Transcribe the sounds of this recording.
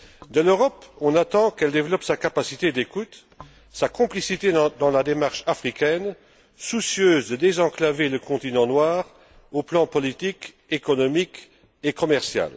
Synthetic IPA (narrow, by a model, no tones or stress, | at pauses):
d̪əløʁɔpɔ̃nat̪ɑ̃kɛld̪evlɔpsakapasit̪ed̪ekut̪ | sakɔ̃plisit̪ed̪ɑ̃lad̪emaʁʃafχikʲɛn | susjøːzd̪əd̪ezɑ̃klaveləkɔ̃t̪inɑ̃nwaːʁ | oplɑ̃pɔlit̪ik | ekɔnɔmik | ekɔmɛʁsja̰l